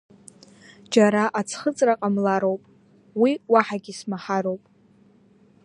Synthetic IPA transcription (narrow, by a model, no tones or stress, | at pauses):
d͡ʒaɾaʔat͡sʰχət͡sʼraqʼamlaɾo̞wpʼ | wiwaħaɡʲismaħaɾowpʼ